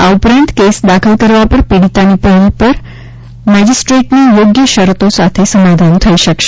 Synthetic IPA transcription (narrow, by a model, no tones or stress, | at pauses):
aupɾãnt̪kesd̪akʰəlkəɾʋapəɾpiɽit̪anipəɦlipəɾ | mɛd͡ʒisʈɾeʈnijoɡjəʃəɾət̪osat̪ʰesəmad̪ʱant̪ʰəiʃəkʃe